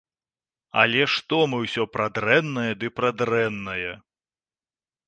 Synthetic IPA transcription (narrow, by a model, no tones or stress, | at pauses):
ɐ̰lʲɛʂt̪ɔmɨwsʲɔpɾad̪ɾɛnːɐjɐd̪ɨpɾad̪ɾɛnːɐjɛ